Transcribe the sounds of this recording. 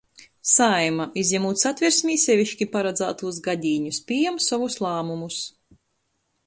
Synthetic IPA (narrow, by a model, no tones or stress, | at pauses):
sajmaizʲjɛmuːt̪sat̪ʲvʲiɾsmʲiːsʲɛvʲiʃkʲipaɾad̪zaːt̪uːsɡad̪ʲiːɲuspʲijɛmsavuslˠaːmumus